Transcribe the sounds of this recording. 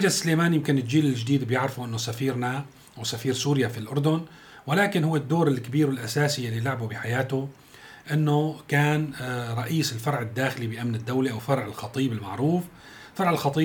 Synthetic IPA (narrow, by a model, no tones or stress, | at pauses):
ad͡ʒasleːmaːnjɪmkɪnɪld͡ʒiːlɪlʒd̪iːd̪bjɪʕɾɪfuʔɪnːʊsafiːɾna | ʔawsafiːɾsuːɾjafilʔʊɾd̪ʊn | wɪlaːkɪnhʊwːɪd̪ːoːɾɪlkabiːɾwɪlʔasaːsijalːilaʕbubɪħajaːt̪ʊ | ʔɪnːʊkaːnɾˤɑʔiːsɪlfɑɾˤʕɪd̪ːaːxɪlibɪʔamnɪd̪ːawliʔawfɑɾˤʕɪlxɑt̪ˤiːbɪlmaʕɾuːf | fɑɾˤʕɪlxɑt̪ˤiː